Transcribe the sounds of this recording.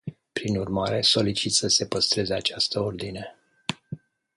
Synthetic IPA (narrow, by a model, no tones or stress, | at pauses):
pɾinurmaɾe̞so̞lit͡ʃit̪səse̞pəst̪ɾe̞zeat͡ʃast̪əo̞rd̪ine̞